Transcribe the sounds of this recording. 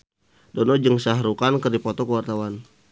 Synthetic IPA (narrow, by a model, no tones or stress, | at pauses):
dɔnɔd͡ʒəŋsaɦɾukankərdipɔt̪ɔkəwart̪awan